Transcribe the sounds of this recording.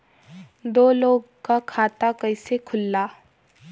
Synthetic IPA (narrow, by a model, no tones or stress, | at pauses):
d̪oːloːɡ | kakʰaːt̪akəɪsekʰʊlːaː